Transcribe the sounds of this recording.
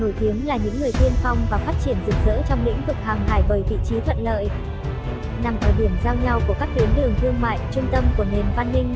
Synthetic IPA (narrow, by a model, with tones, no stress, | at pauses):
no˧˩jt̪i˨˦əŋlaː˨˩ɲɨ̰˧˥ŋːɨ˨˩əjt̪ʰi˧ənfa˧wŋ͡mvaː˨˩faː˦˥t̚t͡ɕi˧˩ənzɨ˨˩k̚zə̰ː˧˥t͡ɕɔ˧wŋ͡mlḭ̈˧˥ŋ̟vɨ˨˩k̚haː˨˩ŋaː˧˩jvəː˨˩jvḭ˧˨t͡ɕi˨˦t̪ʰwə̰˧˨nlə̰ː˧˨j | na˨˩mʔəː˧˩ɗi˧˩əmzaː˧wɲa˧wku˧˩əkaː˦˥k̚t̪i˨˦ənɗɨ˨˩əŋt̪ʰɨ˧əŋma̰ː˧˨jt͡ɕʊ˧ŋ͡mt̪ə˧mku˧˩əne˨˩nva˧nːï˧ŋ̟